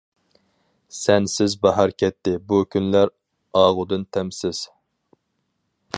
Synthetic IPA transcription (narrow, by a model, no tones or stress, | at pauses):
sɛnsɪzbɑɦɑɾkʲʰɛt̪ːɪbukʲʰynlæɾ | ɑːʁʊd̪ɨnt̪ʰɛmsɪz̥